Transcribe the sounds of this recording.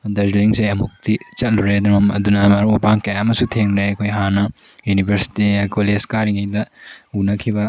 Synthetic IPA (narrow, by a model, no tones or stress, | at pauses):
ɐdɐɾzliŋsejɐmuk̚tit͡ʃɐt̚luɾeɐd̪ɐɾmɐmɐ̰dunɐmɐɾapaŋkejaɐmɐsutʰeŋeɐkʰojɦanɐ | junibʱɐɾsi̥tikoleskaɾiŋɐjdɐunɐkʰibɐ